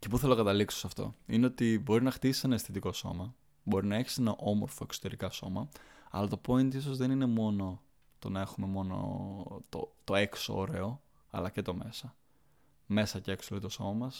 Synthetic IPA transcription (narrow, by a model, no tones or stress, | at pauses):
ce̞puθelokɐt̪ɐlikso̥sɐft̪o̞̰ine̞o̞t̪ibo̞ɾinɐxt̪isi̥senɐesθet̪iko̞so̞̰mɐ | bo̞ɾinɐe̞çi̥se̞nɐʔo̞mo̞̰ɾfo̞e̞ksot̪e̞ɾikɐso̞̰mɐɐ̰lɐt̪o̞po̞int̪iso̞zðe̞nine̞mo̞no̞ | t̪o̞nɐe̞xume̞mo̞no̰t̪o̰t̪o̞e̞ksoo̰ɾe̞o̞ | ɐ̰lɐce̞t̪o̞me̞sɐ | me̞sɐceeksolit̪oso̞mɐmɐs